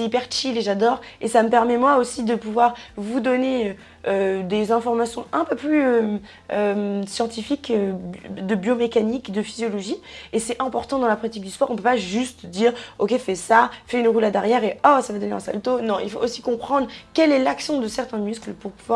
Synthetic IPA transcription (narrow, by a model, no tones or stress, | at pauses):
sɛipɛʁt͡ʃileʒad̪ɔʁesaməpɛʁmɛmwaosid̪əpuvwaʁvud̪ɔneø | ød̪ezɛ̃fɔʁmasjɔ̰̃ʔɛ̃pøplyøm | ømsjɑ̃t̪ifikøbd̪əbjomekanikd̪əfizjɔlɔʒiesɛʔɛ̃pɔʁt̪ɑ̃d̪ɑ̃lapɔait̪̬ik̚d̪yspɔʁɔ̃pøpaʒyst̪d̪iːʁokʲefɛsafɛynʁulad̪aʁjɛʁeɔsavad̪ɔneɛ̃sa̰lt̪onɔ̃ilfoʔosikɔ̃pχɑ̃d̪ʁkɛlɛlaksjɔ̃d̪əsɛʁt̪ɛ̃mysklpuʁpuvwa